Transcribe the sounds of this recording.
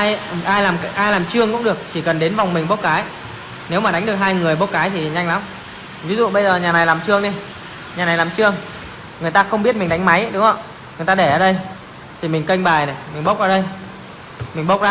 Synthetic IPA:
ʔa˧jʔaː˧jlaː˨˩m˧ʔaː˧jlaː˨˩mt͡ɕɨ˧əŋkʊ̰˧˥ŋ͡mɗɨ˨˩ək̚t͡ɕi˧˩kə˨˩nɗe˨˦nva˨˩wŋ͡mmï˨˩ŋ̟ɓo˦˥t̚kaː˨˦j | ne˨˦wmaː˨˩ɗa˨˦ŋ̟ɗɨ˨˩ək̚ɦaː˧jŋɨ˨˩əjɓo˦˥t̚kaː˨˦jt̪ʰi˨˩˨ɲa˧ŋla˨˦m | vi˨˦zṵ˧˨ɓə˧jzəː˨˩ɲaː˨˩na˨˩jlaː˨˩mt͡ɕɨ˧əŋne˧ | ɲaː˨˩na˨˩jlaː˨˩t͡ɕɨ˧əŋ | ŋɨ˨˩əjt̪aː˧xə˧ŋ͡mɓi˦˥ət̚mï˨˩ŋ̟ɗa˨˦ŋ̟ma˨˦jə˧˦ɗʊ˨˦ŋ͡mə̰˧˩ | ŋɨ˨˩əjt̪aː˧ɗe˧˩ʔəː˨˩ɗə˧j | t̪ʰi˨˩mï˨˩ŋ̟kə˧jŋɓaː˨˩jna˨˩jmï˨˩ŋ̟ɓo˦˥k͡p̚ʔəː˧˩ɗə˧j | mï˨˩ŋ̟ɓo˦˥wk͡p̚zaː˧

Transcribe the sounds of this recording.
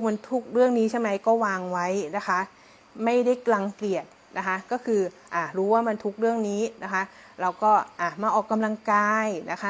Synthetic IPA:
ma˧nt̪ʰu˦˥k̚ɾɯ˥˩əŋniː˦˥t͡ɕʰa˥˩ma˦˥jkɔː˥˩waː˧ŋwa˦˥jna˦˥kʰa˦˥ʔ | ma˥˩jda˥˩jklaː˧ŋkli˨˩ət̪̚ | nʔa˦˥kʰa˦˥kɔː˥˩kʰɯː˧ʔaː˨˧˩ɾuː˦˥waː˥˩ma˧nt̪ʰu˦˥k̚ɾɯ˥˩əŋniː˦˥na˦˥kʰa˦˥ʔ | ɾa˧wkɔː˥˩ʔaː˧˩maː˧ʔɔː˨˩kːa˧mla˧ŋkaː˧jna˦˥kʰa˦˥˩

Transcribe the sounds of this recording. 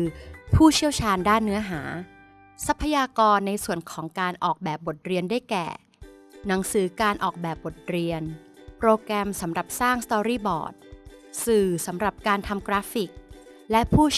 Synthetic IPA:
pʰuː˥˩t͡ɕʰi˥˩wt͡ɕʰaː˧ndaː˥˩nːɯ˦˥ɐɦa̰ː˩˦ | sa˦˥pʰːa˧jaː˧kɔː˧nːa˧jsu˨˩ənkʰɔː˩˦ŋkaː˧nʔɔː˨˩k̚bɛː˨˩p̚bo˨˩t̪̚ɾi˧əndaː˥˩jkɛ̰ː˨˩ | na˩˦ŋsɯː˩˦kaː˧nʔɔː˨˩k̚bɛː˨˩p̚bo˨˩t̪̚ɾi˧ən | pɾoː˧kɾɛː˧msa˩˦mɾa˨˩p̚saː˥˩ŋst̪ɔː˧ɾiː˥˩bɔ̰ː˨˩t̪̚sɯː˨˩sa˩˦mɾa˨˩p̚kaː˧nt̪ʰa˧mkɾaː˦˥fi˨˩k̚ | lɛ˦˥pʰuː˥˩

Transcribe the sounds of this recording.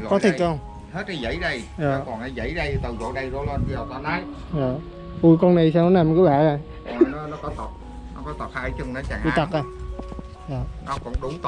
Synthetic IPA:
kɔ˨˦t̪ʰi˨˩˧hwŋ͡m | he˦˥t̚ʔa˨˧˦zə̰˧˥˦jɗə˧jʔaː˨˩kɔ˨˩nʔa˨˦jzə̰˧˥jɗə˧jt̪ɨ˨˩zo̰˧˨ɗə˧jzo˧˦lwə˧nɓi˧zə˨˩wt̪aː˧˦naː˨˦˥j | jaː˨˩ | ʔu˧˩jkɔ˧na˨˩js̬aː˧wnɔ˨˦naː˨˩m˨˩ku˨˦ɓa̰ː˧˨za˨˩˨ | nɔ˨˦kɔ˨˦t̪ə˨˩t̚ | nɔ˧˦kɔ˨˦t̪ə˨˩t̚haː˧˨˦t͡ɕɨ˧ŋna˨˦t͡ɕaː˨˩ŋʔwt̪a˨˩ʔaː˧˩ | jaː˨˩nɔ˨˦kʊ̰˧˥ŋ͡mɗʊ˨˦ŋ͡m̪

